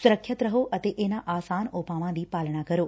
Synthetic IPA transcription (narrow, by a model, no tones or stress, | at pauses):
sʊɾəkʰːjət̪ɾəɦoʔət̪eʔenaʔaːsaːnopaʋãd̪ipaːlɳ̃akəɾoː